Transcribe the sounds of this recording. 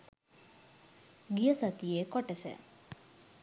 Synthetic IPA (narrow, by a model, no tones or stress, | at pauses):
ɡijəsat̪ijekoʈəsə̰